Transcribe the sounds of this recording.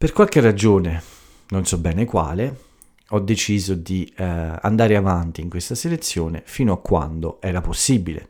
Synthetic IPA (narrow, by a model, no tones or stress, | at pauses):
perkwalkerːad͡ʒoːne | nonsɔbːɛːnekwa̰ːle | ɔd̪ːet͡ʃiːzod̪ia̰nd̪aːɾeavant̪iːŋkwest̪aselet̪sːjoːnefiːnoakːwa̰nd̪oɛːɾaposːiːbilḛ